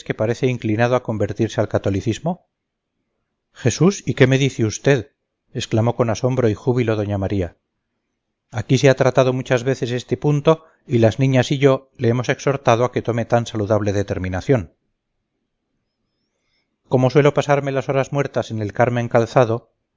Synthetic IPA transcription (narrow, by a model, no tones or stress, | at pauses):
ske̞paɾe̞θe̞iŋklinað̞oako̞mbe̞ɾt̪iɾse̞alkat̪o̞liθizmo̞ | χe̞susike̞me̞ðiθeust̪e̞ð | e̞sklamo̞ko̞naso̞mbɾo̞ixuβilo̞ðo̞ɲamaɾia | akiseat̪ɾat̪að̞o̞mut͡ʃazβe̞θe̞se̞st̪e̞punt̪o̞ | ilaznĩɲasiʝo̞leemo̞se̞kso̞ɾt̪aðoake̞t̪o̞me̞t̪ansaluðaβ̞le̞ðe̞t̪e̞ɾmĩnaθjo̞n | ko̞mo̞s̬welo̞pasaɾme̞laso̞ɾazmwe̞ɾt̪ase̞ne̞lkaɾmẽ̞ŋkalθaðo̞